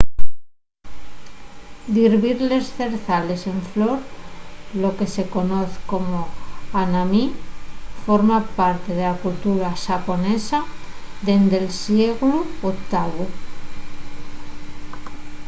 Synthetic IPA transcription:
d̪iɾβiɾle̞sθe̞ɾθale̞se̞ɱflo̞ɾ | lo̞ke̞se̞ko̞no̞θko̞moanami | fo̞ɾmapaɾt̪e̞ðe̞lakult̪uɾaʃapo̞ne̞saðe̞nd̪elsjeɣluokt̪aβu

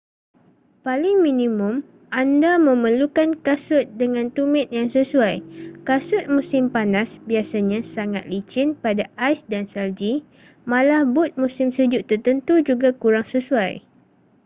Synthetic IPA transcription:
palɪŋmĩnĩmʊ̃m | ʔandamə̃məlukankasʊt̪̚dəŋãnt̪umɪ̃t̪̚jaŋsəsuajkasʊt̪̚mũsɪmpanasbiasaɲãsaŋat̪̚lit͡ʃɪnpadaajsdansald͡ʒi | mãlahbʊt̪̚mũsɪmsəd͡ʒʊʔt̪ərt̪ənt̪ud͡ʒuɡakuɾaŋsəsuaj

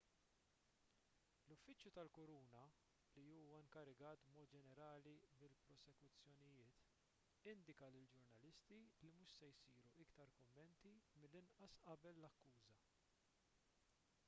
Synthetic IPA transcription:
lʊfːɪt͡ʃjut̪ɐlkɔɾuːnɐ | liuːwɐɪŋkɐɾɪɡɐːt̪bmɔːt̪̚d͡ʒɛnɛɾɐːlimɪlpɾɔsɛkʊt͡sːjɔnɪjɪːt̪ | ɪnd̪ɪkɐlɪld͡ʒʊɾnɐlɪst̪ilimuːʃsɛjsiːɾuʔɪkt̪ɐɾkʊmːɛnt̪imɪlːɪnʔɐsʔɐbɛlːɐkːuːzɐ

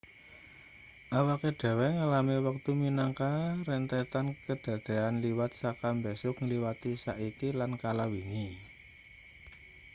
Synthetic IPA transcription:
ʔawakeɖ̥ɛ̤wɛŋalamiwak̚t̪uminaŋkaɾɛnt̪ɛt̪ankəd̥ä̤d̪̥eanliwat̪̚sakambesʊkŋliwat̪isaʔikilankalawiŋi

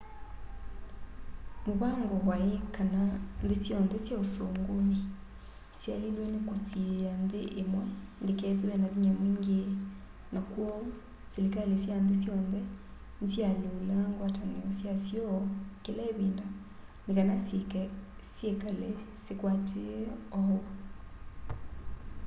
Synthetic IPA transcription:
moβaŋɡɔwaekananðesjɔnðɛsjaosoːŋɡone | sjalilwɛnekosieanðeʔemwɛndekɛðwɛnaβiɲamwiŋɡe | nakwɔ | selikalesjandesjɔnðɛ | nsjalolaŋɡwataneɔsjasjɔɔkelaeβiːnda | nekanasekɛsjekale | sekwatʰeɔɔ

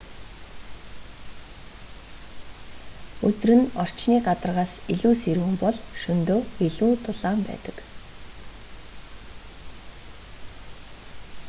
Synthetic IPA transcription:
ɵt̪ɵ̆rɘ̆nɔr̥t͡ɕniːɢat̪ə̆rʁaːsiɮuːseɾuɘ̆mpɔɮʃɵnt̪oːeɮuːt̪ʰʊɮaːmpæ̰ːt̪ə̥̆k

